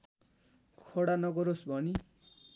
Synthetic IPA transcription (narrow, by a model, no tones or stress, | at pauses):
kʰoɽanʌɡʌɾosbʱʌni